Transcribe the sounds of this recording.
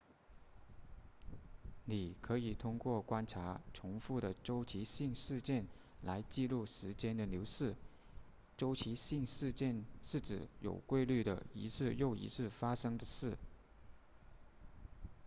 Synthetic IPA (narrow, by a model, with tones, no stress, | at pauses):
ni˨˩kʰɤ˧˥i˨˩t̪ʰʊ˥ŋkwɔ˥˩kwa˥nʈ͡ʂʰa˧˥ʈ͡ʂʰʊ˧˥ŋfu˥˩ɾə˩ʈ͡ʂo˥ʊt͡ɕʰi˧˥ɕi˥˧ŋʂɻ̩˥˧t͡ɕjɛ˥˩n | la˧˥ɪt͡ɕi˥˧lu˥˩ʂɻ̩˧˥t͡ɕjɛ˥nd̪ə˨njo˧˥ʊʂɻ̩˥˩ | ʈ͡ʂo˥ʊt͡ɕʰi˧˥ɕi˥˧ŋʂɻ̩˥˧t͡ɕjɛ˥˧nʂɻ̩˥˩ʈ͡ʂɻ̩˨˩jo̰˨˩ʊkwe˥˧ɪly˥˩d̪ə̰˩ḭ˧˥t͡sʰɹ̩˥˧jo˥˩ʊḭ˧˥t͡sʰɹ̩˥˩fa˥ʂɤ˥ŋd̪ə˨ʂɻ̩˥˩